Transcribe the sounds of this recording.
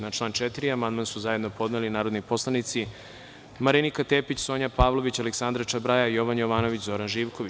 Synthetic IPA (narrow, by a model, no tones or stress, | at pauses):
nat͡ʃlaːnt͡ʃet̪iɾiamand̪mansuzaje̞d̪no̞po̞d̪nelinaːɾo̞d̪nipo̞slˠanit̪si | maɾinikat̪eːpit͡ɕso̞ːɲapaːʋlˠo̞ʋit͡ɕaleksand̪ɾat͡ʃabɾajaijo̞ʋanjo̞ʋaːno̞ʋit͡ɕzo̞ɾanʒiːʋko̞ʋi